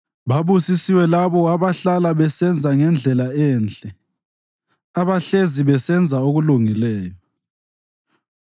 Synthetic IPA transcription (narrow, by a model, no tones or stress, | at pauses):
βaβusisiwɛlaβɔaβaɬalaβɛsɛnd͡zʱaŋɛnd͡ɮʱɛlaɛːnd͡ɮʼɛ | aβaɬeziβɛsɛnd͡zʱaoɣuluŋilɛːjɔ